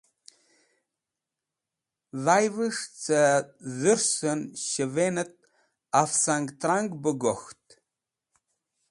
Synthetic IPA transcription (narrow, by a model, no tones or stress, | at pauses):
ðajvɨʂt͡sʰʼɐzɨrsɐnʃəvenɨt̚ʼ | afsaŋktʰraŋɡbɨɡɔxtʼ